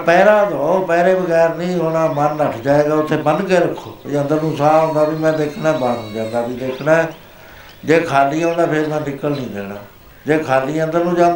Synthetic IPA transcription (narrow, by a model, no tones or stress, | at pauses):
pɛːɾãːd̪aːoːpɛːɾeːbəɡɛːɾnĩːɦoːɽaːmənləʈʰd͡ʒaːeːɡaːʊt̪ʰːeːbənkeɾəkʰːoːiːə̃nd̪əɾnũːsaːɦõːnd̪aːbiːmɛ̃ːd̪eːkʰnãːbaːnũːd͡ʒãːnd̪aːbiːd̪eːkʰnãː | d͡ʒeːkʰaːliːõːnãːpʰɪɾmɛ̃ːnɪkːəlnĩːd̪ḛːɽna̰ː | d͡ʒeːkʰaːliːə̃nd̪əɾnũːd͡ʒãːd̪